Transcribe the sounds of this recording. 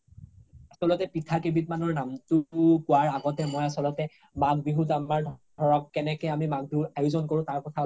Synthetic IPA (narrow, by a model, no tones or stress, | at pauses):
asɔlɔtɛpitʰakebʱit̚manɔɹnamtʊkʊwaɹaɡɔtɛmɔjasɔlɔtɛ | manbiɦutaaɹdʱ | ɔɹɔkːɛnɛkɛamimantʊajʊzɔnkoɹʊ̃taɹkɔtʰa